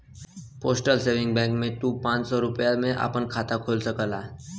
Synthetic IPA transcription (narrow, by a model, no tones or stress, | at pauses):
posʈəlseʋɪ̃ŋɡbɛ̃kmẽt̪ũpãt͡ʃsɔɾupjamẽʔa̰pəɳkʰat̪akʰolsəkəla